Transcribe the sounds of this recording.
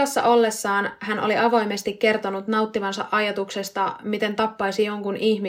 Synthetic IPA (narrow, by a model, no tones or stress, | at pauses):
ɑsːɑ̰ʔo̞lːesːɑːnhænʔo̰liʔɑʋo̞jmest̪ikke̞rt̪o̞nut̪nɑut̪ːiʋɑnsɑ̰ʔɑjɑt̪ukse̞st̪ɑmit̪e̞nt̪ɑpːɑisijo̞ŋkunihmi